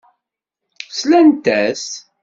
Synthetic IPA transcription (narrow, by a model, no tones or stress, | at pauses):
slænt̪æs